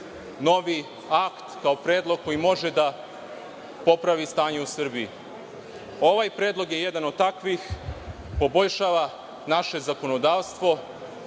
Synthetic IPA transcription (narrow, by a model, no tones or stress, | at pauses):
no̞ʋi | akt̪kao̞pɾeːd̪lˠo̞ɡ̚ko̞jimo̞ʒed̪a | po̞pɾaʋist̪aːɲe̞usr̩bii | o̞ʋajpɾeːd̪lˠo̞ɡje̞jed̪ano̞d̪̚t̪akʋix | po̞bo̞ʎʃaːʋa | naʃe̞zako̞nod̪aːʋst̪ʋo̞